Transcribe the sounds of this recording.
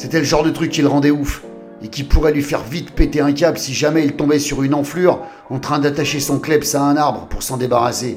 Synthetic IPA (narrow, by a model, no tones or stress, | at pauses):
set̪ɛləʒɑ̃ʁd̪ət̪χykʲːilʁɑ̃d̪ɛuf | ekʲipuʁɛlɥifɛʁvit̪pet̪eɛ̃kʲabsiʒamɛilt̪ɔ̃bɛsyʁynɑ̃flyʁ | ɑ̃t̪χɛ̃d̪at̪aʃesɔ̃klɛbsaɛ̃naʁbʁəpuʁsɑ̃d̪ebaʁase